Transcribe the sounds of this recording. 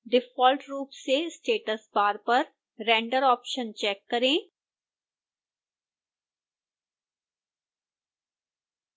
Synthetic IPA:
ɖɪfɔːlʈɾuːpsesʈeːʈəsbaːɾpəɾ | ɾɛ̃ːɳɖəɾɔːpʃə̃nt͡ʃɛːkːɐɾẽː

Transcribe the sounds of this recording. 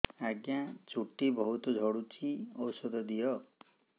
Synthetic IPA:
aɡjat͡ʃuʈibɔɦut̪ɔd͡ʒʱɔɽut͡ʃʰiɔwsɔd̪ʱɔd̪ijɔ

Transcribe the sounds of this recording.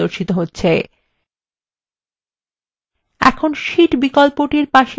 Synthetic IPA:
oɾʃit̪oɦotːɕʰe | ɛ̰kʰonʃiʈbikolpoʈiɾpaʃe

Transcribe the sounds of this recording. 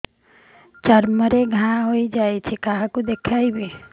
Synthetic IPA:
t͡ʃəɾməɾeɡʱãɦoid͡ʒaːit͡ʃʰekaɦãkod̪ekʰaːibe

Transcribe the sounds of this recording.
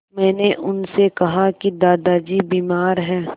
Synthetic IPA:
mɛ̃ːneʔʊnsekɐɦakid̪aːd̪ad͡ʒibiːmaːɾɦɛ̃ː

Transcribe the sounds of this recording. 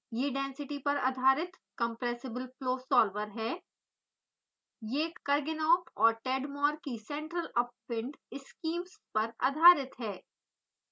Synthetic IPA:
jeːɖɛ̃ːnsɪʈipɐɾɐ̰d̪ʱaːɾɪt̪kɐ̃mpɾɛːsɪbəlfloːsɔːlʋəɾɦɛː | jekɐɾɡɪnoːpɔːɾʈɛːɖmɔːɾkisɛ̃ːɳʈɾəlɐp̚ːɪ̃ɳɖɪskiːmspɐɾɐ̰d̪ʱaːɾɪt̪ɦɛː

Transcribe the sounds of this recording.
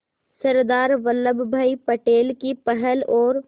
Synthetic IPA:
səɾd̪aːɾʋəlːəbbʱaipəʈeːlkipəɦɛlɔːɾ

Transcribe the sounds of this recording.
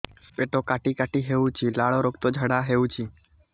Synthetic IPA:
speʈokaʈikaʈiɦeʋũt͡ʃʰilaɭoɾokt̪od͡ʒʱəɽaɦeʋũt͡ʃʰi

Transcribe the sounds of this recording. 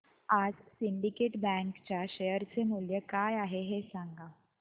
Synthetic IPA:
ad͡zsiɳɖikeːʈbɛ̃ŋkt͡ɕjaɕejəɾt͡semuljəkajaɦeɦesãŋɡa

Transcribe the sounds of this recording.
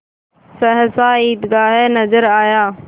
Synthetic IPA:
səɦə̃saːiːd̪ɡaːɦenəzəɾaːjaː

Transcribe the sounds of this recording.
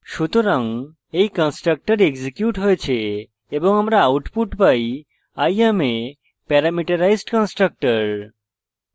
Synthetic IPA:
ʃut̪oɾaŋ | ejkənsʈɾək̚ʈəɾeɡzikjuʈɦɔjt͡ɕʰeː | bɔŋamɾaːwʈpuʈpaj | ajame | pɛɾamiʈəɾajsʈkɔnsʈɾək̚ʈəɾ

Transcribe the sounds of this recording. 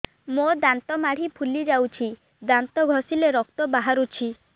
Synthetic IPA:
mod̪ant̪ɔmaɽ̤ipʰulid͡ʒawt͡ʃʰi | d̪ant̪ɔɡʱɔsileɾɔk̚t̪ɔbaɦaɾut͡ʃʰi

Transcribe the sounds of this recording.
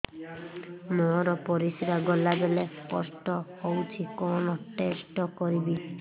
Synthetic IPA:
mɔɾɔpɔɾisiɾaɡɔlabeleskɔ̰sʈɔhowt͡ʃʰikɔnɔʈesʈɔkɔɾibi

